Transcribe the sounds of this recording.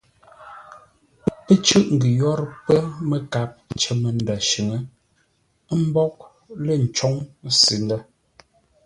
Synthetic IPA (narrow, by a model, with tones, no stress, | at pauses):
pə˦t͡ʃʉ˦ʔŋ̩˨ɡi˨jɔ˦ɾpə˦mə˦ka˨˦p̚t͡ʃə˦mə˨nda˨ʃʉ˨ŋə˦ | m̩˦bɔ˦k̚ | lə˦˨n̩˨t͡ʃɔ˦ŋ˦si˨˦ndə˦